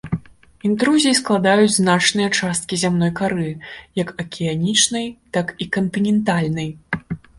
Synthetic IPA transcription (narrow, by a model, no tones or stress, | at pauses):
int̪ɾuzʲijisklˠad̪ajut͡sʲznat͡ʂnɨjɐt͡ʂast̪̚kʲizʲamnɔjkaɾɨjɐkɐkʲʰianʲit͡ʂnɐjt̪akikɐnt̪ɨnʲɛnt̪alʲnɐj